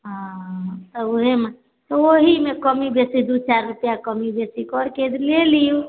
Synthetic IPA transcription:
ɦãt̪ɔuɦema | t̪ɔoɦimẽkəmibesid̪ut͡ʃaɾɾupjakəmibesikɔɾked̪leliju

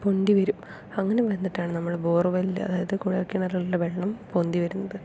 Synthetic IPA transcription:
po̞nd̪iʋɐɾum | ɐŋːɐneʋenːiʈːaːɳɨnɐmːɐɭbo̞ːrʋɐilːɐ̰ɐ̰ðaːjɐðɨkuːɻijɐrkʲːunːɐlɐlːɐʋeɭɐɳɐmpond̪iʋɐɾunːɐðɨ

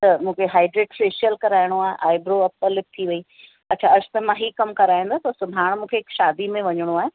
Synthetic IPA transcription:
t̪ɐmũːkʰeɦaːɪɖɾeːʈfeːʃiəlkɐɾaːɪɽ̃oaːɦḛʔaːɪbɾoɐpːəlːɪp̚t̪ʰiʋɐi | ɐtːt͡ɕʰaːɐd͡ʑʰʊ̥t̪ɐmãːɦiːkɐmkɐɾaːɦĩːn̆d̪aːt̪ɐsʊbʱaːɽ̃mũːkʰeɪkʃaːd̪imẽʋɐɲəɽ̃oaːɦe

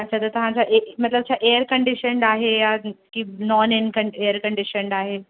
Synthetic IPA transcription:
at͡ɕʰat̪ət̪uɦãt͡ɕaʔemət̪ləb̚t͡ɕʰaʔeəɾkəɳɖiɕəɳɖaɦejakinɔninkəɳeəɾkəɳɖiɕəɳɖaɦe

